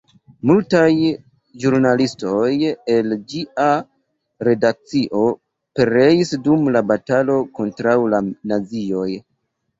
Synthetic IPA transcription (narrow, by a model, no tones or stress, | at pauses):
multaj | ʒuɾnalisto̞je̞ld͡ʒiʔa | ɾe̞dak̚t͡siʔo̞ | pe̞ɾe̞isdumlabatalo̞ko̞ntɾawlanazio̞j